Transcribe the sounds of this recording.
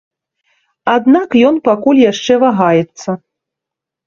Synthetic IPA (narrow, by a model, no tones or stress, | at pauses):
ad̪nakjɔnpakulʲjaʂt͡ʂɛvaɣajɛt̪sːɐ